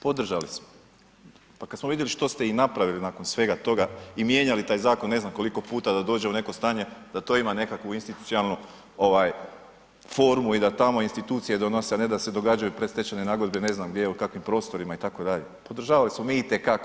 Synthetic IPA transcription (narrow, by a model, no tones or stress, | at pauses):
po̞d̪r̩ʒalismo | pakad̪smoʋid̪jeliʃt̪o̞st̪einapɾaʋilinako̞nsʋe̞ɡat̪o̞ɡaimje̞ɲalit̪aːjzaːko̞nːe̞znamko̞liko̞puːt̪ad̪ad̪o̞ːd͡ʑe̞une̞ko̞st̪aːɲe̞d̪̥at̪o̞ːimane̞kakʋuinst̪it̪u̥t̪sʲjonalˠnu | o̞ʋaːj | fo̞ɾmuid̪at̪amo̞inst̪it̪uːt̪sijed̪o̞noseaned̪ased̪o̞ɡad͡ʒajupɾest̪e̞t͡ɕanenaɡo̞d̪be̞ne̞znamɡd̪je̞jeukakʋimpɾo̞ːst̪o̞ɾimait̪ako̞d̪aʎepo̞d̪r̩ʒaːʋalismo̞miːit̪e̞kak